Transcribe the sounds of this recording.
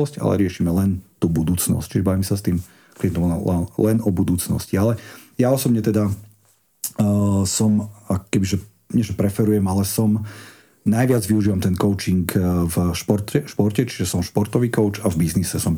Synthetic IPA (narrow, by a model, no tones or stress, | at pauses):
ɔsca̰lɛ̰ɾɪɛʃimɛlɛnt̪ubud̪uːt͡snɔ̰sct͡ʃiʒɛbaʋimɛsast̪iːm | kliɛnt̪ɔmlɛlɛnɔbud̪uːt͡snɔ̰scialɛjaɔsɔbɲɛt̪ɛd̪a | sɔmakɔ̥kɛbiʒɛ | ɲɛʒɛpɾɛfɛɾujɛmalɛsɔm | najʋɪad͡zʋiuʒiːʋamt̪ɛnkɔʊt͡ʃiŋkvʃpɔɾt̪ɛʃpɔɾcɛt͡ʃi̥ʒɛsɔmʃpɔɾt̪ɔʋiːkɔʊt͡ʃavbiznisɛsɔm